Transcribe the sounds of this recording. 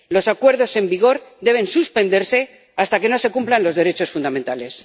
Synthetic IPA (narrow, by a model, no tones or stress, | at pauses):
lo̞sakwe̞ɾðo̞se̞mbiɣ̞o̞ɾd̪e̞β̞e̞nsuspe̞nd̪eɾse̞ | ast̪ake̞no̞se̞kumplanlo̞zðe̞ɾet͡ʃo̞sfund̪amẽnt̪ale̞s